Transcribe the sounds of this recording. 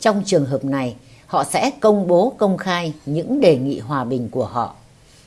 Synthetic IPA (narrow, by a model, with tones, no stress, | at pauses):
t͡ɕɔ˧wŋ͡mt͡ɕɨ˨˩əŋɦəː˨˩p̚na˨˩j | hɔ̰˧˨sɛ̰˧˥kə˧wŋ͡mɓo˨˦kə˧wŋ͡mxaː˧jɲɨ̰˧˥ŋɗe˨˩ŋḭ˧˨ɦwaː˨˩ɓï˨˩ŋ̟ku˧˩əɦɔ̰˧˨ʔ